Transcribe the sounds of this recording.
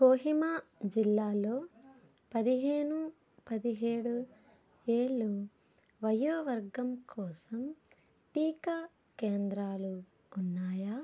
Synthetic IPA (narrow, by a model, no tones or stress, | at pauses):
koːɦimaːd͡ʒilːaːlo̞ː | pɐd̪iɦe̞ːɳu | pɐd̪iɦeːɽu | eːɭːu | ʋɐjuːʋɐɾɡɐmkʰɔːsɐm | ʈiːkaː | keːnd̪ɾaːluː | nːaːjaː